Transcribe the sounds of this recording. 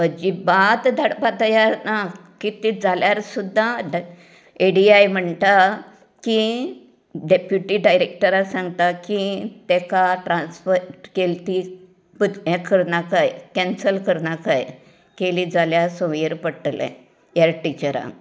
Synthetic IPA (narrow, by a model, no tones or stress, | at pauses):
əd͡ʑibat̪d̪ʱaɽpat̪əjaɾnakit̪ed͡zʱaljaɾsud̪ʱːaɖ | eɽiajm̤əɳt̪a | ki | ɖepjuʈiɖajɾek̚ʈəɾasãŋɡt̪akit̪ɛkaʈɾãnsfəɾkelt̪i | pəd̪ɛ̃kəɾnakajkɛ̃nsəlkəɾnakaj | kelid͡zʱaljasə̃ʋiɾpəʈlɛ̰̃ | jaɾʈit͡ɕəɾa̰